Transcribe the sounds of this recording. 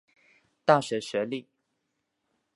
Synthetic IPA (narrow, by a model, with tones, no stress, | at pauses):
t̪a˥˨ɕɥɛ˨˥ɕɥɛ˨˦li˥˩